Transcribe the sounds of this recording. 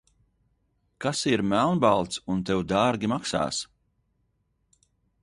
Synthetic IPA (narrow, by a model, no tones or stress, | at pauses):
kasiɾmælˠnbalˠt̪sunt̪ewd̪aːɾɡʲimaksa̰ːs